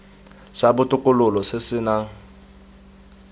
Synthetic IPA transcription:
sabʊtʼʊkʼʊlʊlɔsesɪnaŋ̩

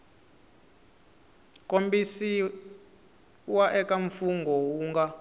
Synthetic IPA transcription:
kʼombisi | waʔɛkaɱfuŋɡʱɔwuːŋɡa

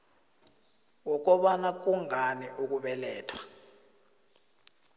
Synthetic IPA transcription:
wɔk̬ɔɓanak̬uŋaniʔuk̬uɓɛlɛːtʰwḁ

